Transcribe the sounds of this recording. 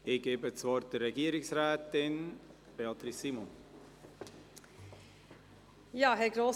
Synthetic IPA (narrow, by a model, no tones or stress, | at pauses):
ɪɡ̥eːbət͡svɔɾt̚d̥əɾːɛɡiəɾɪksɾɛːt̪ɪn | b̥eɑt̪ɾisːiːmɔn | jɑːɦɛɾɡɾoː